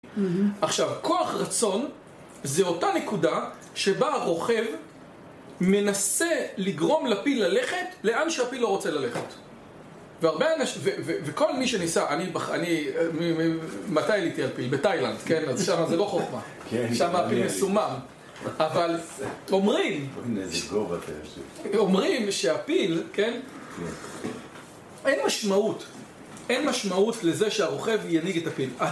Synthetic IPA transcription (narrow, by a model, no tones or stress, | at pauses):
aχʃavkʰo̞aχʁat͡so̞n | zeo̞tane̞kuda | ʃe̞baʁo̞χev | me̞naseliɡʁo̞mlapilale̞χe̞tle̞ʔanʃeapilo̞ʁo̞t͡selale̞χet | veaʁbeanaʃveveveko̞lmiʃenisaʔanibaχanimimimatajlitialpilbetajlandke̞nazʃamazelo̞χoχma | kʃamaapilmesumam | avalo̞mʁimɡov̰ | omʁimʃe̞apilke̞n | enmaʃmaut | ʔenmaʃmautle̞ze̞ʃeaʁo̞χe̞vjaniɡetapila